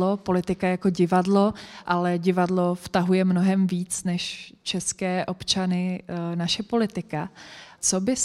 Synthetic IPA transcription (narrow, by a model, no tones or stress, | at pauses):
opo̞lɪt̪ɪkajako̞ɟɪvadlo̞ʔalɛɟɪvadlo̞ft̪aɦujɛmnoɦɛmviːt͡snɛʃt͡ʃɛskɛːʔo̞pt͡ʃanɪnaʃɛpo̞lɪt̪ɪkat͡so̞bɪs